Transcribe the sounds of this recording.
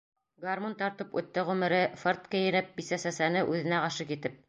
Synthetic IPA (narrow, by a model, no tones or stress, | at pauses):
ɡarmont̪ɑɾt̪ɤpʉ̰̆t̪ːæʁʉmɘ̆ɾɘfort̪kɘjɘ̆nɘp̚bisæsæsænɘʔʉðɘ̆næqɑʃɤkit̪ɘp̚